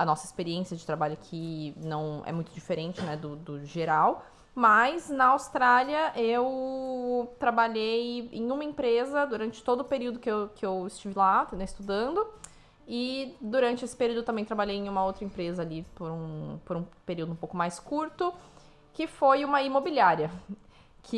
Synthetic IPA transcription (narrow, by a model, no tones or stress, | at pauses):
ɐnɔsɐɪspeɾiẽsijɐd͡ʒɪt̪ɾabaʎʊakʰɪnɐ̃w̃ɛ̰mũj̃t̪ʊd͡ʒifeɾẽnt͡ʃɪnɛd̪ʊd̪ʊʒeɾaw | mɐznɐawst̪ɾaliɐʔew | t̪ɾabaʎejḛ̃j̃ũmɐẽpɾezɐd̪uɾɐ̃nt͡ʃɪ̥t̪od̪ʊpeɾiwd̪ʊkɪewkɪewɪst͡ʃivɪlat̪ɐ̃ɪst̪ud̪ɐ̃nd̪ʊ | ɪd̪uɾɐ̃nt͡ʃɪesɪpeɾiuwd̪ʊewt̪ɐmẽj̃t̪ɾabaʎejẽj̃ũmɐowt̪ɾɐẽmpɾezɐːlipoɾũpoɾũpeɾiwd̪ʊũpowkʊmajskuɾt̪ʊ | kɪfojũmɐimobiliaɾiɐ | kʰɪ